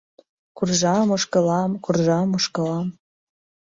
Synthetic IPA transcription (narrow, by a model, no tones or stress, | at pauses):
kurʒɑmoʃkə̆lɑmkurʒɑmoʃkə̆lɑm